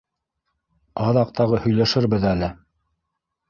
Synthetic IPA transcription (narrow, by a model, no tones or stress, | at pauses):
ɑðɑq̚t̪ʰɑʁɤhɵ̆jlæʃɘɾbɘðælɘ